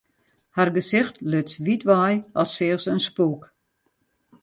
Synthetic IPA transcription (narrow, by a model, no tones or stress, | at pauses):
harɡəsɪxtløtsʋitʋajɔsːɪəxsənspuːk